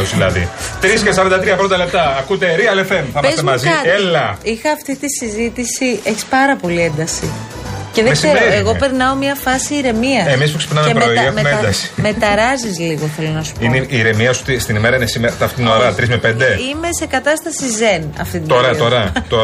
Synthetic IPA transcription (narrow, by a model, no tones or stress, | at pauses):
ozðilɐðḭt̪ɾiskes̬ɐɾɐnd̪ɐt̪ɾiɐpɾond̪ɐle̞p̚t̪ɐːkut̪eɾiɐlefemθɐmɐszt̪emɐzielɐixɐːft̪it̪isizit̪isie̞çi̥spɐɾɐpo̞liend̪ɐsiceðeseoeɣo̞pe̞ɾnɐomiɐfɐsiːɾe̞miɐemispuksepinɐmepɾoined̪ɐsi̥me̞t̪ɐɾɐzizliɣo̞θe̞lo̞nɐsu̥pineʔiːɾe̞miɐsut̪ist̪inimeɾɐinesimeɾɐt̪ɐft̪it̪inoɾɐt̪ɾizmepend̪e̞ime̞se̞kɐt̪ɐst̪ɐsizenɐ̰ft̪it̪it̪ɾɐoɾɐt̪o